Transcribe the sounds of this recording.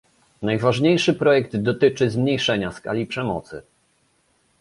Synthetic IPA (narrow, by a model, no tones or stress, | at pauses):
najvaʐɲejʂɘpɾɔjɛɡd̪d̪ɔt̪ɘt͡ʂɘzmɲejʂɛɲaska̰lʲipʂɛmɔ̰t̪sɘ̰